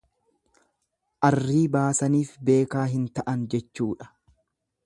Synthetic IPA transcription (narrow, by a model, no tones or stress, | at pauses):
ʔɐrːiːbaːsɐniːfbe̞ːkaːɦɪnt̪ɐʔɐnd͡ʒɛt͡ʃːuːᶑɐ̥